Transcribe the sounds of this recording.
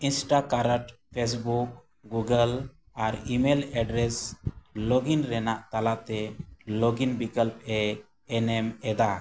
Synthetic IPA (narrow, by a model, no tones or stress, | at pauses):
insʈakaɾəʈpʰes̬buk̚ | ɡuɡəl | aɾimelɛɖɾɛslɔɡinɾɛnaʔt̪alat̪ɛlɔɡinbikəlp̚ɛː | nɛmɛd̪a